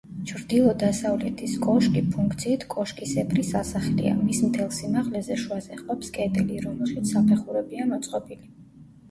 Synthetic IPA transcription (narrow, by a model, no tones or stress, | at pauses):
t͡ʃʰɾd̪ilˠɔd̪asavlɛt̪ʰiskʼɔʃkʼipʰuŋkʰt̪sʰiːt̪ʰkʼɔʃkʼisɛpʰɾisasaχlḭa̰mismt̪ʰɛlˠsimaʁlɛzɛʃuazɛχqʼɔpskʼɛt̪ʼɛliɾɔmɛlˠʃit̪sʰapʰɛχuɾɛbiamɔt̪sʼqʼɔbili